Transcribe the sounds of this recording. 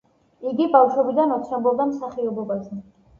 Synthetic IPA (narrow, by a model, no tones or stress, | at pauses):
iɡibaʃwɛbid̪anɔt̪sʰambɔbd̪amsaχiɔbɔbazɛ